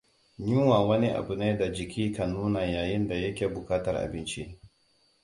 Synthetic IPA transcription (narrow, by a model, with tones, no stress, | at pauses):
ɲɪ˦ŋwa˨wɐ˦ni˦ʔa̰˨bu˨na˦jda˨d͡ʒɪ˨kʲiː˦ka˨nuː˦na˨jaː˨jɪ˦nda˨jɐ˦kʲeː˨bʊ˨kaː˦tɐ˦rʔa̰˨bɪ˦nt͡ʃi˦ʔ